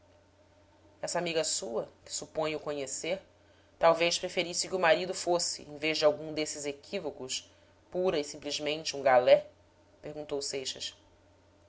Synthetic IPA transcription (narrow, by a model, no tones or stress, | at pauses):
ɛsɐamiɡɐsuɐkɪ̥supõj̃ʊkõɲeseɾ | t̪awvejʃpɾefeɾisɪkɪʊmaɾid̪ʊfosɪ̰ẽj̃veʒd͡ʒɪawɡũd̪esɪzekʰivokʊs | puɾɐisĩmplizmẽnt͡ʃɪũŋɡalɛ | peɾɡũnt̪owsejʃɐs